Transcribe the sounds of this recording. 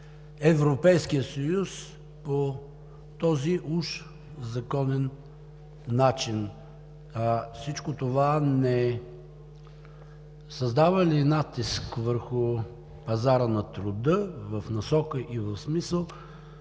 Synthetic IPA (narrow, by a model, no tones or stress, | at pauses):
ɛvɾopɛjskijəsɐjus | po | t̪ɔziʔuʃ | zɐkɔnɛnː | at͡ʃin | afsit͡ʃkot̪ovanɛ | sɐzd̪avəlinat̪iskvəɾxʊ | pɐzaɾənɐt̪ɾʊd̪əvəfnɐsɔkəʔivəfsmisəlˠ